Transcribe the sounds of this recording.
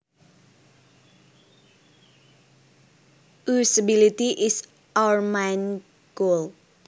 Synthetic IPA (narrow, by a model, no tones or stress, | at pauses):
ʔusəbilit̪iʔɪs | ʔawəɹmãjn | ɡ̥ol